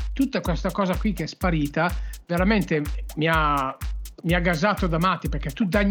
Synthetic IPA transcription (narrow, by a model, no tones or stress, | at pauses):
t̪ut̪ːakwɛst̪akɔːzakwikeɛspaɾiːt̪aveɾament̪emia | miaɡːazaːt̪od̪amat̪ːipeɾkɛt̪ːud̪aɲː